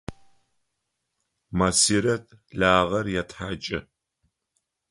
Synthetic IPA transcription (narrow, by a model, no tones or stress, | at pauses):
mɐsiɾɐtɮaːʁɐrjatħaːt͡ʃʼɪ